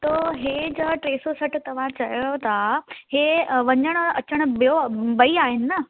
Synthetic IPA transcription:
t̪oːɦeːd͡ʑɐʈɾeːsosɐʈʰɪt̪ɐʋ̤ãt͡ɕɐjot̪aheːʋɐɲəɽ̃ʊɐt͡ɕəɽ̃ʊ̆bijobɐiaːɦɪnɪ̆nɐ

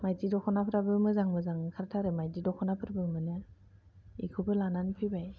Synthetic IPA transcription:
majtidɔkʰɔnapʰɾabɯmɯzaŋmɯzaŋkʰaɾtʰaɾɯmajdidɔkʰɔnapʰɯɾabɯmɯnɯ | ḭkʰɯbɯlananpʰibaj

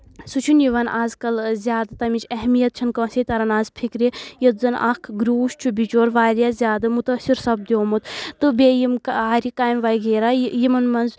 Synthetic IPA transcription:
sut͡ʃʰunjiʋɐnʔaːzkɐlzʲjaːd̪ɨt̪ɐmit͡ʃʰɐɦmijɐt̪̚t͡ʃʰɐnkɐ̃ːset̪ɐɾɐnaːzpʰikɾejɐt̪zɐnʔa̰kʰɡɾuːʃt͡ʃʰubit͡ʃoːɾʋaːɾjazʲjaːd̪ɨmut̪ɐsiɾsɐb̚d̪ʲjoːmut̪t̪ɨbeːjimkaːɾikaːjmʋɐjɡeːɾajimɐnmɐnz

